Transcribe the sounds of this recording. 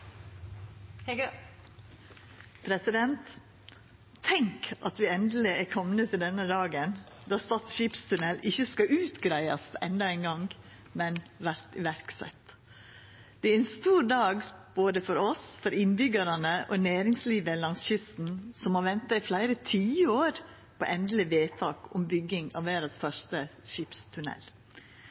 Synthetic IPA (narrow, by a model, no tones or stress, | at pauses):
pʰɾɛsɪd̪ɛnt̪ | ɛŋkʔɑt̪ʋɪɛnd̪l̩ɪæɾkʰɔmnət̪ʰɪld̪ɛnːəd̪ɑːɡənd̪ɑːst̪ɑːt̪sʃiːpst̪ʰʉnɛlɪçːəskɑʔʉːt̪ɡɾæɪɑ̰sɛnd̪ɑæɪnɡɑŋɡ | mɛnʋæɾt̪ɪʋæɾksɛ̰t̪ | d̪̥ɛæɾɛnst̪uːɾd̪ɑːɡb̥oːd̪əfɔɾɔsfɔɾɪnbʏɡɑɾɑnəʔɔnæːɾɪŋsliːʋəlɑŋsçʏst̪n̩sɔmhɑʋɛnt̪ɑɪflæɪɾət̪ʰiːoːɾ | pʰɔ̰ʔɛnd̪l̩ɪʋeːt̪ʰɑːkʊmbʏɡːɪŋɑ̰ʋʋeːɾɑsfœʂt̪əʃɪpst̪ʰʉnɛ̰l